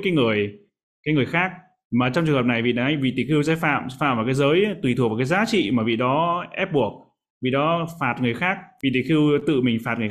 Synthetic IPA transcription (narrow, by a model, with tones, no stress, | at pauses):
kaː˨˦jŋɨ˨˩əj | kaː˨˦jŋɨ˨˩əjxaː˦˥k̚ | maː˨˩t͡ɕɔ˧ŋ͡mt͡ɕɨ˨˩əŋə˨˩p̚na˨˩jvḭ˧˨ɗa̰˧˦ʔa˧jŋvḭ˧˨t̪i˧˩xi˧wzɛ̰˧˦˥fa̰ː˧˨m˧˦fa̰ː˧˨mva˨˩kaː˨˦jzəː˨˦jt̪wi˨˩t̪ʰu˨˩va˨˩kːjzaː˨˦t͡ɕḭ˧˨maː˨˩vḭ˧˨ɗɔ˨˦ʔɛ˦˥p̚ɓu˨˩ək̚ | vḭ˧˨ɗɔ˨˦faː˨˩t̚ŋɨ˨˩əjxaː˦˥k̚vḭ˧˨˩t̪i˧˨˩xi˧wt̪ɨ̰˧˨mï˨˩ŋ̟faː˨˩t̚ŋɨ˨˩